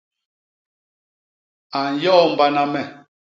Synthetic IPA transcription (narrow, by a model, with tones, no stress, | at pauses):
a˨n˨jɔː˦m̩˨ba˦na˦mɛ˨